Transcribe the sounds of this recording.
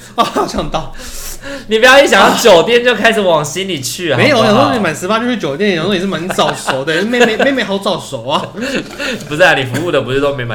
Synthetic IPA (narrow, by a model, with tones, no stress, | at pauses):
a˥˧˩t͡ɕʰjɑ˥˧ŋt̪ɑ˥˧˨ʊ | ni˨˩p̬jɑ˥˧ʊi˥˩ɕjɑ˨ŋjɑ˥˩ŋt͡ɕjo˨˩ʊt̪jɛ˥˧nt͡ɕjo˥˧ʊkʰa˥ɪʂ̩˨˩wɑ˨˩ŋɕi˦nli˨˩t͡ɕʰy˥˩˨me˦ɪjo˨˩˥ni˨˥ma˨˩ɪnʂɻ̩˧˥pa˦˥t͡ɕʰt͡ɕjo˨ʊt̪jɛ˥n˨˥˧n˨˩ʂ̩˥˩ma˧˦˥nt͡sɑ˥˩ʊsʂo˨˩˦t̪ə˥˧˥e˥˧ɪme˧˩ɪe˥ɪme˧˥xɑ˥˧ʊt͡sɑ˥˩ʊso˨˩ʊɐ˦ | pu˧t͡s̩̪˥a˥˩ni˨˩fu˧u˥˩d̪ə˩pu˧˩t͡ɕo˥˧t̪o˥˧me˧˥ɪma̰˨